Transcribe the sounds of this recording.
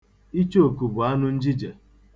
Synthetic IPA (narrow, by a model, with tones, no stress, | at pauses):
i˦t͡ʃo˨ku˨bʊ˨a˦nʊ˦n̩˦d͡ʒi˦d͡ʒe˨